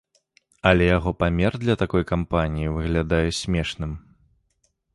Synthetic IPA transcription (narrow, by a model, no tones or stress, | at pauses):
ɐlʲɛjaɣɔpamʲɛrd̪lʲɐt̪akɔjkampanʲijivɨɣlʲad̪ajɛsʲmʲɛʂnɨm